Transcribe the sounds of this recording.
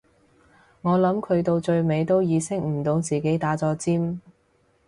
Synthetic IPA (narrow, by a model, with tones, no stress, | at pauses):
ŋɔː˨˧lɐ˨˥mkʰɵ˨˧ɥt̪o˧wt͡ʃɵ˧ɥme˨˧jt̪o˥wjiː˨˧sɪ˥k̚m̩˨˩t̪o˨˧wt͡siː˨ke˨˥jt̪aː˨˥t͡sɔː˧t͡siː˥m